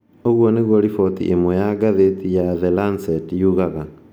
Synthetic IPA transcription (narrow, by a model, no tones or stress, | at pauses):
oɣwɔneɣwoɾifɔt̪ḭʔemwɔjaɡaðetijaðelansɛtjuɣaɣa